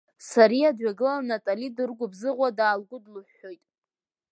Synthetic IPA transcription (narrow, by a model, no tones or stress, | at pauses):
saɾiadɥaɡɨlanatʼalidɨrɡʷʊbzɨʁʷadaːlɡʷʊdluħːo̞jtʼ